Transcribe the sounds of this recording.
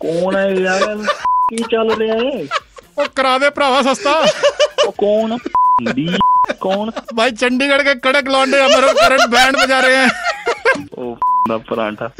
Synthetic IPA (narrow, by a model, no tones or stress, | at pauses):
kɔːnaalkiːt͡ʃəlɾeaeːoːkəɾaːʋeːpəɾaːʋaːsəst̪aː | kɔːnd̪iːkɔːnbʱaːiːt͡ʃəɳɖiːkəɽkeːkəɽeklaːɳɖeːəməɾoːkəɾəɳʈbɛ̃ːɳɖbəd͡ʒaːɾeːɛ̃ː | o̰ːd̪aːpɾã̰ːʈaː